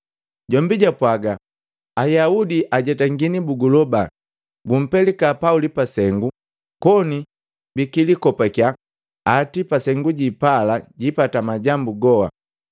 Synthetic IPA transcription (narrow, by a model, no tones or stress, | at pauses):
ɟɔmbiɟapwaɡa | ajaudiʔaɟɛtaŋɡinibuɡulɔba | ɡum̩pɛlikapaulipasɛŋɡu | kɔni | bikilikɔpakjaː | tipasɛŋɡuɟipalaɟipatamaɟambuɡɔha̰